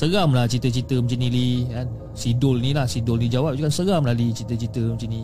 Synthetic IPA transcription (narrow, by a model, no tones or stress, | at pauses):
səɣamlaht͡ʃit̪ət͡ʃit̪əmət͡ʃinilian | sidʊlnilahsidʊlnid͡ʒawap̚d͡ʒukansəɣamlalit͡ʃit̪ət͡ʃit̪əmət͡ʃini